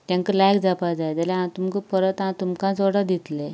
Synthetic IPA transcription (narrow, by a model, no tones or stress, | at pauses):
t̪jãŋkəlajkd͡zapad͡zajd͡z̪aleɦãt̪umkəpəɾət̪ãt̪umkãt͡soɽad̪it̪le